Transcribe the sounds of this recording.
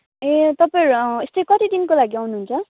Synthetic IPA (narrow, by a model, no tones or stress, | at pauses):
et̪ʌpãɾest̪ejkʌt̪id̪inkolaɡiʌwnuɦunt͡sʰʌ